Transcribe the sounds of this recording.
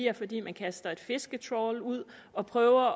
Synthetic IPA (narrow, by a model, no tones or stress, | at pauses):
iɐfɒ̽d̥ḭːmænkʰæsd̥ɐe̝d̥fe̝sɡ̥ət͡sʰʁɒluð̰ˠ | ɒ̽pʰʁœːʊɐ